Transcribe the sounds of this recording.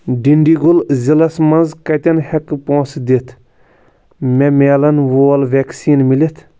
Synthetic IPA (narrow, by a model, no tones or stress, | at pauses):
ɖiɳɖiɡulzilɐsmɐnzkɐt̪ʲɐnhɐkːɨpõːsd̪et̪ʰ | mʲemeːlɐnʋoːlʋeːksiːnmilet̪ʰ